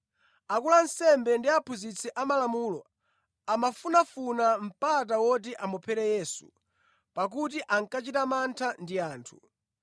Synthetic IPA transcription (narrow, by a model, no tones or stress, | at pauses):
akulan̩sɛmbɛndiapʰuzit͡sʰɛʔamalamuːlɔ | amafunafunam̩pat̬awɔt̬iʔamɔpʰɛɾɛjɛːsu̥̰ | pak̬utiʔaŋkat͡ʃitamantʰandiaːntʰu̥